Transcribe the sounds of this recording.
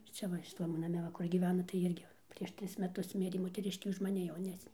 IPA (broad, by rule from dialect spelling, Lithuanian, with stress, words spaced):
ˈt͡sʲɛ ʋɐ ʃʲɪˈtɐm ʋɐ nɐˈmʲɛ ˈʋɐ kʊr ɡʲiːˈʋʲæːnɐ tɐɪ ˈɪrʲɡʲɪ pʲrʲiɛʃ ˈtʲrʲɪs mʲɛˈtʊs ˈmʲɪrʲeː moːtʲɛˈrʲɪʃʲkʲeː ʊʃ mɐˈnʲɪ jɛʊˈnʲæːsʲnʲeː